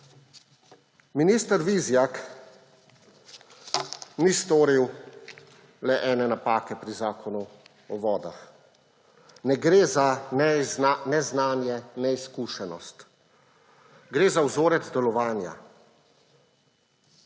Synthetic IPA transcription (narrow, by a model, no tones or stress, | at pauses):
miniːst̪əɾʋizjak | nist̪oːɾiw | lɛʔɛːnɛnapaːkɛpɾizaːkʰɔnu | ɔʋɔːd̪a̰x | nɛɡɾeːza | nɛznaːnjɛnɛiskuːʃɛnɔst̪ | ɡɾeːzawzoːɾɛd̪d̪ɛlɔʋaːnja̰